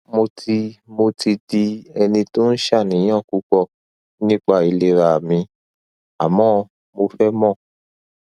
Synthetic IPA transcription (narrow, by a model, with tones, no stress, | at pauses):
mo˧tʰi˧mo˧ti˧di˧ɛ˧nĩ˧to˦n̩˦ʃa˦˨nĩ˨j̃ã˦˨ku˨˦k͡pɔ˦˨ | nĩ˦k͡pa˦˨i˧le˦ɾa˨a˨mĩ˧ | a˨mɔ̃˦ | mo˧fɛ˦mɔ̃˦˨